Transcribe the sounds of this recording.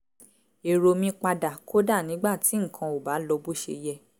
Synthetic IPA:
e˨ɾo˧mĩ˧k͡pa˧da˨ko˦da˦˨nĩ˨˦ɡ͡ba˦˨ti˨˦ŋ̩˨kʰã˧o˨ba˨˦lɔ˧bu˦ʃḛ˧jɛ˦˧

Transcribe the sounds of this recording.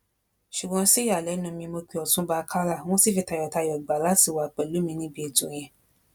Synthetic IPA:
ʃu˨ɡ͡bɔ̃˨˧˦si˦ja˨lɛ˨˦nũ˧mĩ˧mo˧k͡pi˨˧ɔ˨tũ˦ba˧kʰa˦ɾa˦˨w̃ɔ̃˦si˦fi˧˦ta˧jɔ˨ta˧jɔ˨ɡ͡ba˨la˦ti˦˨wa˨k͡pɛ˨lu˨˦mĩ˧nĩ˦bi˦e˨tũ˨˦j̃ɛ̃˧˨

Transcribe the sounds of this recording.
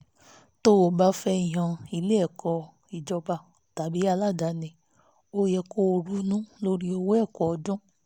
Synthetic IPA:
to˦o˧˨ba˦fɛ˧˦i˨j̃ã˧˨i˧le˦ɛ˦˨kʰɔ˧ | i˨d͡ʒɔ˧ba˧˨ | ta˨bi˨˦a˧la˦˨da˨˦nĩ˧ | o˧jɛ˧ko˧˦o˧ɾu˨˦nũ˦lo˦ɾi˦o˧wɛ˦˨kɔ˨ɔ˧dũ˦

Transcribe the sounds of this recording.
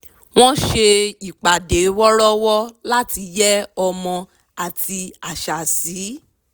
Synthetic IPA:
w̃ɔ̃˦ʃe˧i˨k͡pa˨de˨˦wɔ˦ɾɔ˦wɔ˦la˦ti˧d͡ʒɛ˦ɔ˧mɔ̃˧ | a˨ti˧a˨ʃa˨siː˨˦

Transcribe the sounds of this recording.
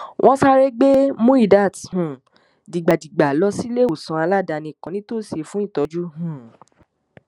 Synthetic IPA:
wʔɔ̃˦sa˦ɾe˦ɡ͡be˦mũ˦i˦˨da˦˨thũ˨˦˨ | di˨ɡ͡ba˨di˨ɡ͡ba˨lɔ˧˦si˦le˦o˨sɔ̃˧a˧la˦˨da˧nĩ˧˨kã˨nĩ˦to˦˨se˧fũ˦ĩ˦˨tɔ˨˧d͡ʒu˦ɦũ˦˨

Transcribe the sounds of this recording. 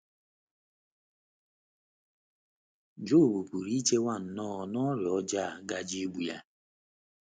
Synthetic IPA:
d͡ʒo˦˨bu˨ku˨ɾi˦t͡ʃe˦wa˦˨n̩˨nɔ˦ɔ˨nɔ˦ɾjɔ˦d͡ʒa˦˨ɡa˦d͡ʒe˦ɡ͡bʷu˨ja̰˦

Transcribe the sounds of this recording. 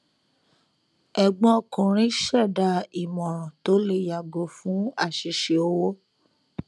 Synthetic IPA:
ɛ˨ɡ͡bɔ̃˦ɔ˧˨kũ˨ɾ̃ĩ˨˦ʃɛ˦˨da˨˧˦i˨mɔ̃˨ɾ̃ɔ̃˨to˨˦le˧˦ja˨ɡo˨˦fũ˨˦a˦˨ʃi˨˦ʃe˨o˧˦wo˦

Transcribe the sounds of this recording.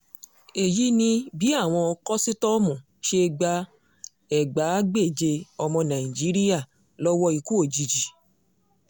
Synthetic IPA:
e˨ji˨˦nĩ˧bi˨˦a˦˨w̃ɔ̃˧ɔ˧kɔ˦si˦tɔ˦mũ˨ | ʃe˧˦˧ɡ͡ba˧ | ɛ˨ɡ͡ba˨˦ɡ͡be˦˨d͡ʒe˧ɔ˧mɔ̃˧nã˨i˨d͡ʒi˨˦ɾi˦ja˦˨ | lɔ˦wɔ˦i˧ku˦o˨d͡ʒi˨d͡ʒi˨

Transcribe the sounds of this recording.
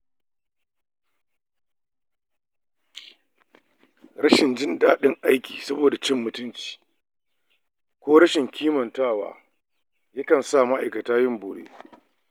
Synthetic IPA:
ɾɐ˦ʃɪ˨nd͡ʒɪ˦ndaː˦ɗɪ˦ŋʔa˦jkʲiː˨sɐ˦boː˨da˨t͡ʃɪ˦mːʊ˨tʊ˦nt͡ʃi̥ː˨ | kʷoː˦ɾɐ˦ʃɪ˨ŋkʲʰiː˦mɐ˨ntaː˦˨wa̰ː˨ | jɐ˦kɐ˨nsa˦˨ma˦ʔa˨jkɐ˨taː˦jɪ˦mboː˨ɽḛː˦

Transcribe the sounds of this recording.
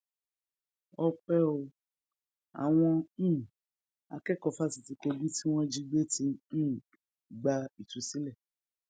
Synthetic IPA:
ɔ˧k͡pɛ˦o˧ | a̰˨w̃ɔ̃˧˦˨ | a̰˧kɛ˦˨kɔ˧˨fa˦si˨ti˧ke˧bi˦ti˦w̃ɔ̃˦d͡ʒi˦ɡ͡be˦tʰĩ˧˦˨ | ɡ͡ba˧i˨tũ˨si˦lɛ˦˨

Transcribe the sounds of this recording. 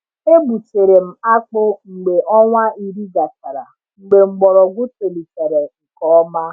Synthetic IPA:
e˦bu˨t͡ʃe˨ɾe˨m̩˨a˦k͡pʊ˦ŋ͡m̩˨ɡ͡be˨ʔɔ˦ŋʷa˦i˨ɾi˦ɡa˨sa˨ɾa̰˨ | ŋ͡m̩˨ɡ͡be˨ŋ͡m̩˨ɡ͡bɔ˨ɾɔ˨ɡʷʊ˦te˨li˨te˨ɾe˨ŋ̩˨kɔ˦ma˦

